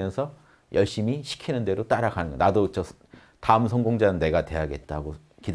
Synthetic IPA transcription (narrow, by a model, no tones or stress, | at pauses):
jʌnsʰʌ | jʔʌɭɕ͈imiɕʰi̥kʰinɯnde̞ɾot͈aɾaɡanɯnɡʌ̰nadot͡ɕʌ | taɯmsʰʌŋɡoŋd͡ʑanɯnne̞ɡate̞jaɡe̞t̚t͈aɡo | kid